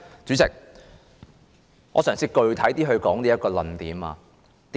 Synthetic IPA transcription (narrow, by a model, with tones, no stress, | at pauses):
t͡syː˨˧˥t͡sɪ˨˩k̚ | ŋɔː˨˧sœː˨˩ŋsiː˧kɵ˧ɥt̪ʰɐ˨˥jt̪iː˥ɦɵ˧ɥkɔː˨˥ŋt̪iː˥jɐ˥kːɔː˧lɐ˨˩nt̪iː˨˥ma̰ː˧ | t̪ː